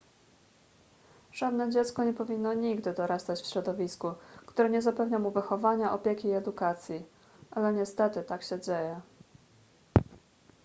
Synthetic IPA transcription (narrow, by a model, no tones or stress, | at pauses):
ʐ̥ad̪nɛd͡ʑɛt̪skɔɲɛpɔvʲinːɔɲiɡd̪ɘd̪ɔɾast̪at͡ɕfɕɾɔd̪ɔvʲiskukt̪uɾɛɲɛzapɛvɲamuvɘxɔvaɲaʔɔpʲjekʲiːɛd̪ukat̪sʲji | ʔalɛɲɛst̪ɛt̪ɘt̪akɕɛd͡ʑejɛ